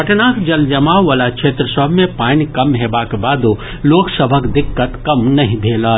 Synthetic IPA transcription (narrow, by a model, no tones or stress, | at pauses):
pɐʈnaːkd͡ʒɐld͡ʒɐmaʋalakʃʰeːt̪ɾəsəbʱmẽpaːnkɐmɦeːbakebaːd̪u | loːksəbʱəkd̪ɪkːət̪kɐmnɐɦĩbʱeːlaː